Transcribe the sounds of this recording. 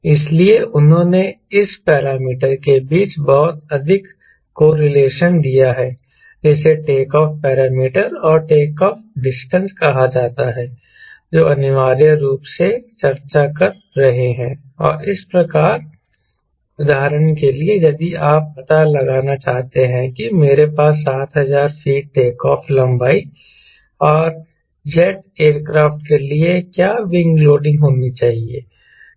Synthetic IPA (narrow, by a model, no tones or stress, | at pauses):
ɪslieʔʊnɦõːne | ɪspɛːɾaːmiːʈəɾkebiːt͡ʃbɔɦʊt̪ɐd̪ʱɪkː | oːɾɪleːʃənd̪ijaɦɛː | d͡ʒɛːseʈeːkɔːfpɛːɾaːmiːʈəɾɔːɾʈeːkɔːfɖɪsʈə̃nskɐɦad͡ʒaːt̪aɦɛː | d͡ʒoːɐnɪʋaːɾijəɾuːpset͡ʃɐɾt͡ʃakɐɾ | ɾɐɦeɦɛ̃ː | ɔ̰ːɾɪspɾɐkaːɾ | ʊd̪ʱaːɦɾəɽ̃kelied͡ʒɐd̪iaːp̚pɐt̪alɐɡaːnat͡ʃaːɦt̪eɦɛ̃kimeːɾepaːs̬ːaːt̪ɦɐzaːɾfiːʈeːkɔːfʰlɐ̃mbaːi | ɔːɾ | d͡ʒɛʈeːɾkɾaːfʈ̚keliekjaːʋɪ̃ŋɡloːɖɪ̃ŋɡɦoːnit͡ʃaːɦiḛː